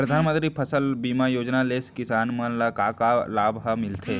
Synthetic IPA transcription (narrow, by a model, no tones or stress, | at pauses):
pɾɐd̪ʱaːnmə̃nt̪ɾipʰɐsəlbiːmajoːd͡ʒnaleːskɪsaːnmənlakaːkalaːbɦamɪlt̪ʰeː